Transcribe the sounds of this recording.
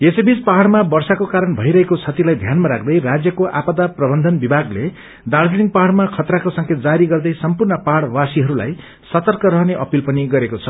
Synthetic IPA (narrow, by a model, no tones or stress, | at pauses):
esebid͡zpaɦaɽmabʌrsakokaɾʌnbʱʌjɾʌɦekot͡sʰʌt̪ilajd̪ʱjanmaɾakʰd̪ʌjrad͡zjʌkoʔapʌd̪aprʌbʌnd̪ʱʌnbibʱaɡle | d̪ard͡zeniŋɡpaɦaɽmakʰʌt̪rakosʌŋkʰet̪̚d͡zaɾiɡʌrd̪ʌjsʌmpurnʌpaɽwasiɦʌɾula̰j | sʌt̪ʌrkʌɾʌɦneʔʌpilpʌniɡʌɾekot͡sʰʌ